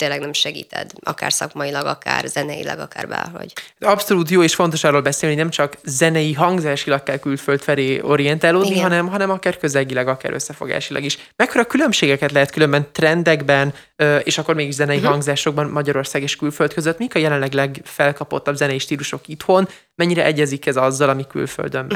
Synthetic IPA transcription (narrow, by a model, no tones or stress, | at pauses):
t̪eːlːɛɡnɛmʃɛɡḭːt̪ɛ̰d̪ɒ̰ka̰ːrsɒ̰kmɒilɒɡɒka̰ːrzɛnɛjḭlɛ̰ɡɒ̰kaːrbɛ̰ːlɦo̰ɟt̪ɒpso̞luːt̪joːeːʃfo̞nt̪o̞ʃɒːrːoːlbɛseːlninɛmt͡ʃɒkzɛnɛjiɦɒŋɡzaːʃilɒkːɛlkylfølt̪fɛleːo̞̰ɾijɛnt̪aːloːdiiɒnɛmɦɒnɛmɒkaːrkøzɛɟilɛɡɒka̰ːɾʔø̰sːɛfo̞ɡa̰ːʃilɒ̰ɡiʃ | mɛkːoɾɒkylø̞mʃeːɡɛkɛt̪lɛɦɛt̪̚kylømbɛnt̪rɛnd̪ɛɡbɛn | øeːʃɒkːo̞rɾmeːɡiʃzɛnɛiɦɒŋɡzaːʃo̞ɡ̚bɒnmɒɟɒɾo̞rsaːɡeːʃkylfø̞lt̪køzøt̪ːmiikɒjɛlɛnlɛɡlɛɡfɛlkɒpot̪ːɒbzɛnɛjiʃt̪iːluʃo̞kit̪ho̞n | mɛɲːiɾɛʔɛɟːɛzikɛzɒzːɒlɒmiky̰lfø̰ld̪øm